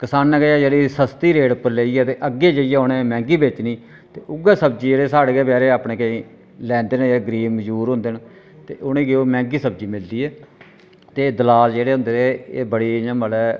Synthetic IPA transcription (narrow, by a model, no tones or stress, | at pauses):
kɪsaːnːɛ̃ːɡeɛːd͡ʒeːɽiːsəst̪iːɾeːɽʊpːəɾleːiːɛːt̪eːʔəɡːeːd͡ʒəijɛːʊnẽːmɛ̃ːŋɡiːbeːt͡ʃniː | t̪eːʔʊɡeːsəbd͡ʒiːd͡ʒeːɽeːsaːɽeːɡeːbɛːɾeːaːpɳẽːkəĩ | lɛ̃ːnd̪eːnd͡ʒeːɡɾiːəd͡ʒuːɾɦõːnd̪eːn | t̪eːʔʊnẽːɡeːoːmɛ̃ːŋɡiːsəb̚d͡ʒiːmɪld̪iːɛː | t̪ed̪əlaːld͡ʒeːɽeːɦʊ̃nd̪eːɾeeːbəɽiːjãːməlɛː